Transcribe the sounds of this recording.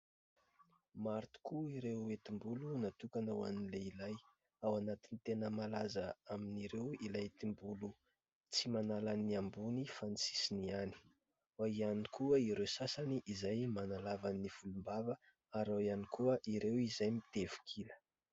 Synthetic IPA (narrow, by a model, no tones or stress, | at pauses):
maɾt̪u̥kuiɾewet̪imbulunat̪ukanawaninleilaj | awanat̪int̪enəmalazaaminiɾewilajt̪imbulu | t͡simanalaniambunifanisi̥siniani̥ | waianikuəiɾewsasaniʔizajmanalavannːifulumbavə | aɾawanikʰuəʔiɾewizajmit̪evu̥kʰilə̥